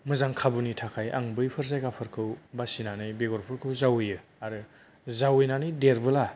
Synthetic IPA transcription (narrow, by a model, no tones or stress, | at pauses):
mɯzaŋkʰabunitʰakʰajʔa̰ŋbɯjpʰɯɾzajkapʰɯɾkʰɯwbasinanɯjbeɡɔɾpʰɯɾkʰɯwzawɯjɯ | aɾɯ | zawɯjnanɯjdeɾbɯla